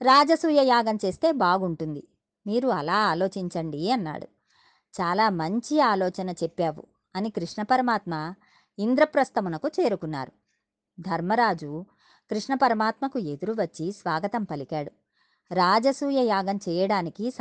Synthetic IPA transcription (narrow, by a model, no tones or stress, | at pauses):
ɾaːd͡ʒɐsuːjɐjaːɡɐmt͡ʃe̞ːst̪e̞ːbaːɡuɳʈund̪i | miːɾuɐlaːaːlo̞ːt͡ʃiɲt͡ʃɐɳɖiɐnːa̰ːɽṵ | t͡ʃaːlaːmɐɲt͡ʃiaːlɔːt͡ʃɐnɐt͡ʃɛpːaːʋṵ | ɐnikɾiʂɳɐpɐɾɐmaːt̪mɐ | ind̪ɾɐpɾɐst̪ɐmunɐkut͡ʃe̞ːɾukunːa̰ːɾu | d̪ʱɐɾmɐɾaːd͡ʒu | kɾiʂɳɐpɐɾɐmaːt̪mɐkue̞d̪uɾuʋɐt͡ʃːisʋaːɡɐt̪ɐmpɐlikaːɽu | ɾaːd͡ʒɐsuːjɐjaːɡɐmt͡ʃɛːjɐɽaːnikis